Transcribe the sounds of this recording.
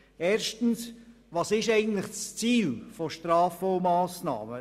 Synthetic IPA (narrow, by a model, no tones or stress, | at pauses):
eːɾʃtən̩s | ʋɑːsɪʃɛɪɡən̩tləχst͡siːlfɔʃtɾɑːfɔʊmɑːsnɑ̰ːmə